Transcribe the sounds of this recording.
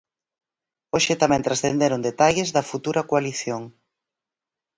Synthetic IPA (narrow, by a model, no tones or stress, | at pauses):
oʃɪt̪amɛ̃nt̪ɾasθend̪eɾond̪et̪aʎezðɐfut̪uɾɐkoaliθjoŋ